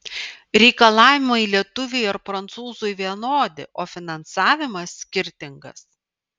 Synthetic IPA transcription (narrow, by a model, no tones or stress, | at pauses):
ɾʲɛɪkɐlˠɑːʋʲɪmɐilʲiɛt̪ʊʋʲɛjɐɾpɾɐnt̪suːzʊjʋʲiɛnoːd̪ʲɪ̰ʔoːfʲɪnɐnsɑːʋʲɪmɐsːʲkʲɪɾʲt̪ʲɪŋɡɐ̰s